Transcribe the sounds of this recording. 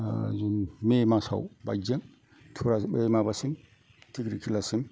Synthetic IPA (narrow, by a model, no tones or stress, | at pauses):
zunmemasa̰wba̰jzeŋ | tʰuɾabemabasim | tʰikɾikʰilasim